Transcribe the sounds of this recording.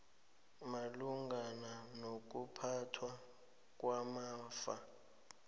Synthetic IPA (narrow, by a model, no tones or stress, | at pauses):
maluŋɡʱananok̬upʰatʰwa | k̬ʼwamaːfa̰